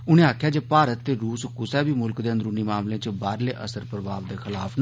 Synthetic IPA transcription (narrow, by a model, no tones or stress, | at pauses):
ʊnẽːaːkʰːjaːd͡ʒeːpaːɾət̪ːeːɾuːskʊsɛːbiːmʊlkd̪eːənd̪əɾʊniːmaːmlẽːt͡ʃbaːɾleːʔə̰səɾpɾəbaːʋd̪eːxɪlaːpʰn